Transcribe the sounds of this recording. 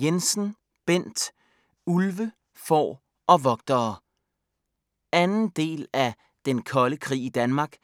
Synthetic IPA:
jensn̩ | b̥en̰d̥ | ulʋə | fɒ̰ː | ɒ̽ʋɒ̽ɡ̥̚d̥ɐː | ænn̩d̥e̝̰ːlæ | d̥enkʰɒ̽ləkʰʁḭːid̥ænmɑ̈ːɡ̥

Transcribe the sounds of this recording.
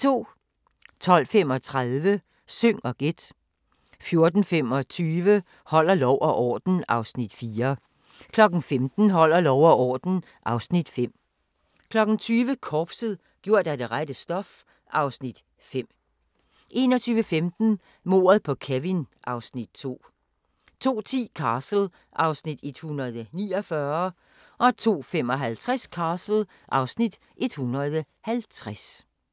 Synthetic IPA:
t͡sʰo̝̰ː | t͡sʰɒ̽l̰fem̰ɒ̽t͡sʰʁaðˠʋə | søŋ̰ɒ̽ɡ̥e̝d̥ | fjo̝ɐd̥n̩fem̰ɒ̽t͡sʰyːʋə | hɒ̽l̰ɐlɒʊʔɒʔɒ̰ːd̥n̩ɑ̈ʊsnid̥fiːɐ | kʰlɒ̽ɡ̥n̩femd̥n̩ɦɒ̽l̰ɐlɒʊɐʔɒ̰ːd̥n̩ | ʔɑ̈ʊsnid̥fem̰ | kʰlɒ̽ɡ̥n̩t͡sʰyːʋəkʰɒːb̥səð̩ˠ | ɡ̥jo̝ɐ̰d̥æd̥e̝ʁad̥əsd̥ɒ̽f | ʔɑ̈ʊsnid̥ | fem̰ | ʔe̝ːnɒ̽t͡sʰyːʋəfemd̥n̩ | mo̝̰ːɐð̩ˠpʰɒ̽kʰæʋinʔɑ̈ʊsnid̥̚t͡sʰo̝̰ː | t͡sʰo̝̰ːt͡sʰḭːkʰɑːsl̩ | ʔɑ̈ʊsnid̥e̝d̥hunʁɐð̩ˠniːɒfɶɐ | ʔɒ̽t͡sʰo̝̰ːfem̰ɒ̽ɦælt͡sʰʁaskʰɑ̈ːsl̩ | ʔɑ̈ʊsnid̥ | ʔe̝d̥hunɐðˠ | hælt͡sʰʁas

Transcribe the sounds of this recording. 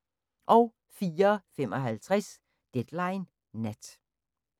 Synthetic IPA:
ʔɒʊ | fiːɐfem̰ɒ̽ɦælt͡sʰʁɛs | d̥ed̥lɑ̈ɪnː | æd̥

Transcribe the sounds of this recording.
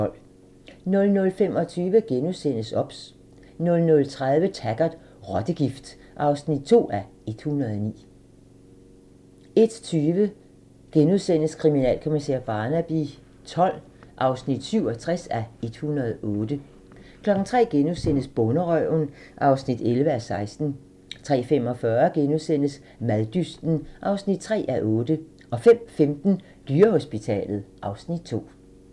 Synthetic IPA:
l̰ | nɔ̽lnɔ̽lfem̰ɒ̽t͡sʰyːʋəɡ̥enusen̰əsɒ̽b̥s | nɔ̽lnɔ̽lt͡sʰʁaðˠʋət͡sʰæɡ̥ɐd̥ | ʁɒd̥əɡ̥ifd̥ | ʔɑ̈ʊsnid̥̚t͡sʰo̝̰ːæ | e̝d̥hunʁɐðˠɒnḭː | e̝d̥t͡sʰyːʋə | ɡ̥enuðˠsen̰əskʰʁiminɛ̰ːlkʰo̝misḛɐ̰b̥ɑ̈ːnæb̥i | t͡sʰɒ̽l̰ | ʔɑ̈ʊsnid̥syʊɒ̽t͡sʰʁasæe̝d̥hunɐð̩ˠɔ̽ːd̥ə | kʰlɒ̽ɡ̥n̩t͡sʰʁɛ̰ːɡ̥enuðˠsen̰əsb̥ɔnəʁœʊn | ʔɑ̈ʊsnid̥elʋəæsɑ̈ɪsd̥n̩ | t͡sʰʁɛ̰ːfem̰ɒ̽fɶːɐɡ̥enuðˠsen̰əs | mæðˠd̥ysd̥n̩ʔɑ̈ʊsnid̥̚t͡sʰʁɛ̰ːʔæʔɔːd̥ə | ʔɒ̽fem̰femd̥n̩ | d̥yːɐho̝sb̥it͡sʰɛ̰ːlð̩ˠʔɑ̈ʊsnid̥̚t͡sʰo̝̰ː

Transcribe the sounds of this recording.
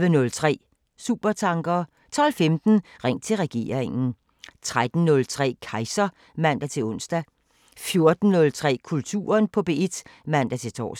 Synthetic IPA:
ʋənɔ̽lt͡sʰʁɛ̰ː | sṵːb̥ɐt͡sʰɑ̈ŋɡ̥ɐː | t͡sʰɒ̽lfemd̥n̩ʁɛŋ̰̚t͡sʰe̝lʁɛɡ̥e̝̰ːɐʁeŋn̩ | t͡sʰʁad̥n̩nɔ̽lt͡sʰʁɛ̰ːkʰɑ̈ɪsɐ | mæn̰d̥æt͡sʰe̝lɔ̽nsd̥æ | fjo̝ɐd̥n̩nɔ̽lt͡sʰʁɛ̰ːkʰult͡sʰṵːɐnpʰɒ̽b̥e̝ːe̝d̥mæn̰d̥æt͡sʰe̝t͡sʰɒ̰ː

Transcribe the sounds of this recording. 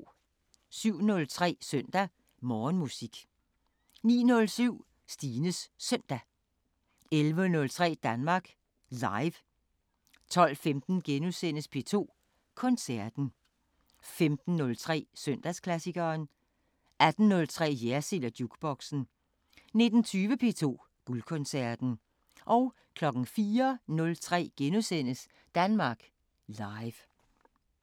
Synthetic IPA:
syʊ̰nɔ̽lt͡sʰʁɛ̰ːsœn̰d̥æ | mɒːnmusiɡ̥ | nḭːnɔ̽lsyʊ̰ | sd̥iːnəsːœn̰d̥æ | elʋənɔ̽lt͡sʰʁɛ̰ːd̥ænmɑ̈ːɡ̥ | lɑ̈ɪʋ | t͡sʰɒ̽l̰femd̥n̩ɡ̥enusen̰əspʰe̝t͡sʰo̝̰ː | kʰɒ̽nsæɐd̥n̩ | femd̥n̩ːɔ̽lt͡sʰʁɛ̰ːsøn̰d̥æskʰlæsiɡ̥ɐːn | ʔæd̥n̩nɔ̽lt͡sʰʁɛ̰ːjæɐsilɐd̥juɡ̥b̥ɒ̽ɡ̥sn̩ | ne̝d̥n̩t͡sʰyːʋəpʰe̝ːt͡sʰo̝̰ː | ɡ̥ulkʰɔ̽nsæɐd̥n̩ | ʔɒ̽ʊ | kʰlɒ̽ɡ̥n̩fiːɐnɔ̽lt͡sʰʁɛ̰ːɡ̥enusen̰əs | d̥ænmɑ̈ːɡ̥ | lɑ̈ɪʋ

